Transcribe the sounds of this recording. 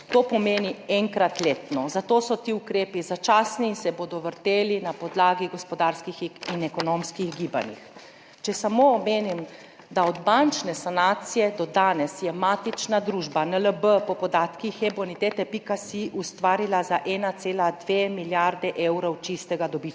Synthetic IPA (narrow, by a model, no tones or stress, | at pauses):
t̪oːpɔmeːniɛŋkɾat̪leːt̪nɔzat̪oːsɔt̪iukɾeːpizat͡ʃaːsninsɛbod̪ɔʋəɾt̪eːlinapɔd̪laːɡiɡɔspɔd̪aɾskixinɛkɔnomskiɣɡiːba̰nḭx | t͡ʃɛsamomeːnim | d̪aɔd̪bant͡ʃnɛsanaːt̪sijɛd̪ɔd̪aːnɛsjɛmaːt̪it͡ʃnad̪ɾuʒbanələbəpɔpɔd̪aːt̪kixɛbɔnit̪eːt̪ɛpikasiʔust̪ʋaːɾilazaʔɛnat̪seːlad̪ʋemiljaɾd̪ɛʔeːwɾɔwt͡ʃist̪ɛɡad̪ɔbi